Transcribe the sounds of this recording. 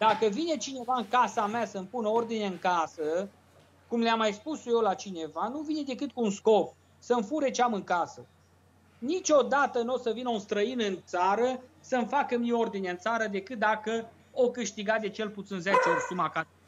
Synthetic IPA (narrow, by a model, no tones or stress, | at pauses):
d̪̥akəvine̞t͡ʃine̞vaɨŋkasameasəmpunəo̞rd̪ineɨŋkasə | kumleamːajspusje̞wlat͡ʃine̞vanuvine̞d̪e̞kɨt̪̚kuːnsko̞p | səmfuɾe̞t͡ʃeamɨŋkasə | nit͡ʃʲo̞d̪at̪əno̞səvinəunst̪ɾəinɨnt̪saɾəsəmfakəmio̞rd̪ineɨnt̪saɾəd̪e̞kɨt̪̚d̪akə | okɨʃt̪iɡat̪̚d̪e̞t͡ʃe̞lput̪sinzet͡ʃesumaka